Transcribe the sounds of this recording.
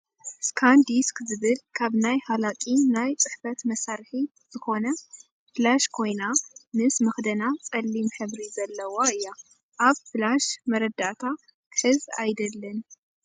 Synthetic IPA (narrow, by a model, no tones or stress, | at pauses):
skʰand̪iskzɨβɨlkʰaβnajhalakʼinajt͡sʼɨħfɐt̪mɐsaɾħi | z̥ɨxo̞nɐ | flaʃkʰo̞jnamɨsmɐxd̪ɐnat͡sʼɐlːimħɨβɾizɐlːɐwoɨjːa | ʔaβflaʃmɐɾɐd̪aʔt̪ʰa | kʰɨħɨza̰jd̪ɐlːɐn